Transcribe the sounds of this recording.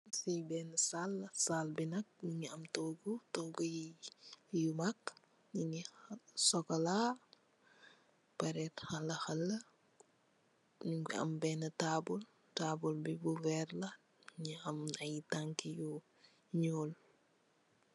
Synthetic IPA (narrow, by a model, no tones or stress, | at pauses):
sijbɛːnəsalːɐsalbinɐk̚ɲuɲiɐmtɔɡutɔːɡuji | jumak | ɲiɲisɔkɐla | pɐɾɛtxɐlɐxɐlːɐ | ɲuŋɡiɐ̰mbɛnɐtabul | taːbulbibuvɛrlɐ | ɲiɐmnɐjitaŋkiju | ɲɔːl